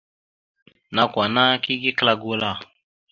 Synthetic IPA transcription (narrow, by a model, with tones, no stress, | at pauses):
na˨kwa˨na˦ki˦ɡi˦kla˦ɡo˦la˦˨